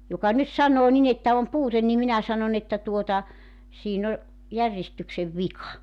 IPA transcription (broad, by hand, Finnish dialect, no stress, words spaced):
jokɑ nyt sɑnˑoː nin etːæ om puːten nim minæ sɑnon etːæ tuotɑ siːn o jærjestykseʋ ʋikɑ